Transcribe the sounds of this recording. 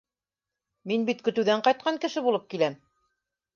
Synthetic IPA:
minbit̪kɵ̆t̪ɘ̆wðæɴqɑjt̪̚qɑŋkɘ̆ʃɘbulˠɤp̚kilæm

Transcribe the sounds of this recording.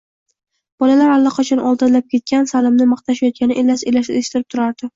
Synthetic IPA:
b̥ɒlalaɾalˠːɒqʰɑt͡ʃʰɒnʔɒlˠd̪ɪnlap̚kʲʰe̞t̪̚kʲansalɪmnɪmɑqt̪ʰaʃajɒt̪̚kʲanɪʔelːaselaʃeʃt̪ɪɾɪp̚t̪ʰʊɾaɾd̪̥ɪ

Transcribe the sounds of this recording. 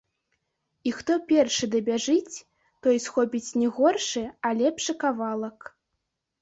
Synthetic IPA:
ixt̪ɔpʲɛrʂɨd̪ɐbʲaʐɨt͡sʲ | t̪ɔjsxɔpʲit͡sʲnʲɛɣɔrʂɨalʲɛpʂɨkavalˠɐk

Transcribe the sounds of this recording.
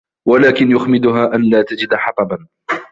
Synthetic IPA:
walaːkɪnjʊxmɪd̪ʊɦaːʔanlaːt̪ad͡ʒɪd̪ħɑt̪ˤɑban

